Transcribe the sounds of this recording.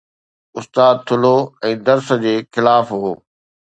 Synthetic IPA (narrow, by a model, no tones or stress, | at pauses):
ʊst̪aːd̪̚t̪ʰʊloɛ̃ːd̪ɐɾsəd͡ʑeːxɪlaːfɦoː